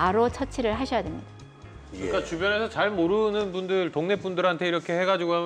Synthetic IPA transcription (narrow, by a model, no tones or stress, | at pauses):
aɾot͡ɕʰʌt͡ɕʰiɾɯɭɦaɕʰʌjadwemɲid̥a | kɯɲik͈at͡ɕubjʌne̞sʰʌt͡ɕaɭmoɾunɯnbundɯɭtoŋne̞p͈undɯɾɦantʰe̞iɾʌkʰe̞he̞ɡad͡ʑiɡoɦam